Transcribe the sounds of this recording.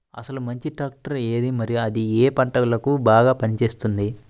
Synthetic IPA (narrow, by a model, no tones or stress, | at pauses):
ɐ̰sɐlumɐɲt͡ʃiʈaːk̚ʈɐɾeːd̪imɐɾijuɐd̪ieːpɐɳʈɐlɐkubaːɡaːpɐnit͡ʃe̞ːst̪und̪i